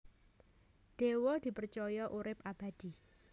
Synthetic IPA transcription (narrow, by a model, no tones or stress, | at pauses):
ɖ̥e̤wɔd̪̥i̤pərt͡ʃɔjɔʔuɾɪp̚ʔab̥ad̪̥i